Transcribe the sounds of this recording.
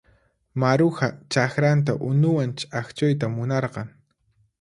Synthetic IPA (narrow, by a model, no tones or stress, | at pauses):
maɾʊxat͡ʃaxɾant̪̬aʔʊnʊwant͡ʃʼaxt͡ʃʊjt̪̬amʊnɑɾqɑŋ